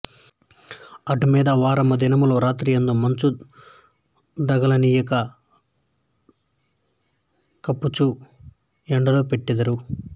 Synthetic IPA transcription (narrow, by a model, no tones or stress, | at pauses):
ɐʈumiːd̪ɐʋaːɾɐmɐd̪inɐmuloːɾaːt̪ɾiːjɐnd̪omɐɲt͡ʃu | d̪ɐɡɐlɐniːjɐkɐ | kɐpːut͡ʃu | ɛɳɖɐloːpeʈːid̪ɐɾu